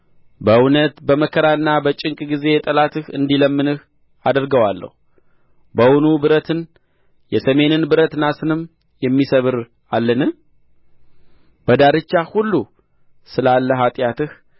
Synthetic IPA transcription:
bəɨwnət̪bəməkʰːəɾaɨnːabət͡ʃʼɪŋkʼɡize̞t̪ʼəlat̪ɨhɨnd̪iləmːɨnɨh | ad̪əɾɡəwalːə̰hu | bəwʊnubɨɾət̪ʰɨn | jɛsəme̞nɨnbɨɾət̪nasɨnɨm | jɛmːisəβɨɾ | alːənɨ | b̥əd̪aɾɨt͡ʃːahulːu | sɨlalːəɦat̪ʼjat̪ɨh

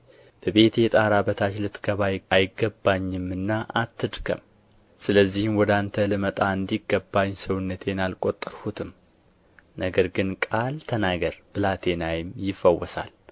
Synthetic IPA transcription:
b̥əβe̞t̪jɛt̪ʼaɾabət̪ʰat͡ʃlɨt̪ɡ̥əβajajɪɡəbːaɲːɨmɨnːaʔat̪ʰːɨd̪kʰə̰m | sɨləzːihɨmwɔd̪ant̪ʰəlɨmət̪ʼaɨnd̪iɡːəbːaɲːsəwʊnːət̪ʰe̞nalkʼo̞t̪ʼːəɾhut̪ʰɨm | nəɡəɾɡɨnkʼalt̪ʰənaɡəɾb̥ɨlat̪ʰe̞najɪmjɪfːəwɔsa̰l

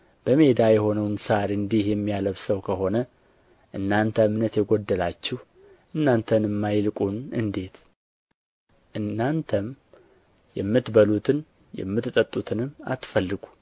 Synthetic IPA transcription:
b̥əme̞d̪ajɛho̞nəwnsaɾɨnd̪ihjɛmːijaləβsəwkʰəɦo̞nə | ʔɨnːant̪ʰəmnət̪jɛɡo̞d̪ːəlat͡ʃːɪh | ʔɨnːant̪ʰənɨmːajlkʼunɨnd̪e̞t̪ | ʔɨnːant̪ʰəm | jɛmːɨt̪bəlut̪ʰɨn | jɛ̰mːɨt̪ɨt̪ʼət̪ʼːut̪ʰɨnɨmːa̰t̪fəlːɨɡu

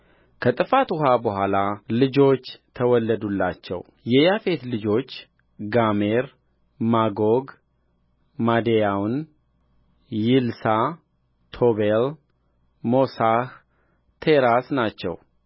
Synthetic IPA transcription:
kʰət̪ʼɨfat̪ʊɦabəɦʷalalɨd͡ʒo̞t͡ʃːt̪ʰəwɔlːəd̪ulːat͡ʃːɛ̰w | jɛjafe̞t̪lɨd͡ʒo̞t͡ʃː | ɡameɾ | maɡoɡ | mad̪ejawn | jɪlsa | t̪ʰo̞βel | mo̞sah | t̪ʰeɾasnat͡ʃːɛ̰w

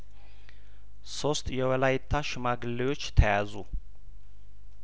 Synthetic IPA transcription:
so̞st̪jɛwɔlajɪt̪ʰːaʃɪmaɡɨlːəwo̞t͡ʃːt̪ʰəjazu

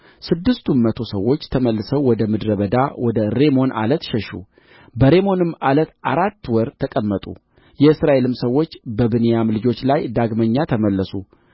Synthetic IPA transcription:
sɨd̪ːɨst̪ʰumːət̪ʰo̞səwːo̞t͡ʃːt̪ʰəməlːɨsəwwɔd̪əmɨd̪ɾəβəd̪awʔɔd̪əɾe̞mo̞nʔa̰lət̪ʃɛʃṵ | bəɾe̞mo̞nɨmːʔalət̪ʔaɾat̪ːwɔɾt̪ʰəkʼəmːət̪ʼṵ | jɛɨsɾaʔe̞lɨmsəwːo̞t͡ʃːbəbɨnejamlɨd͡ʒo̞t͡ʃːlajd̪aɡməɲːat̪ʰəməlːəsu

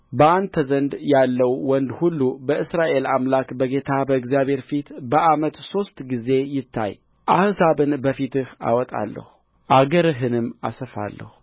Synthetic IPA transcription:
bəʔand̪t̪ʰəzənd̪jalːəwwɔnd̪hulːubəɨsɾaʔe̞lamlakbəɡe̞t̪ʰabəɨɡzjaβhe̞ɾfit̪bəʔamət̪so̞st̪ʼɡize̞jɪt̪ʰːa̰j | ʔahsaβɨnbəfit̪ɨha̰wɔt̪ʼa̰lːə̰hu | ʔaɡəɾɨɦɨnɨmːa̰səfa̰lːə̰hu̥

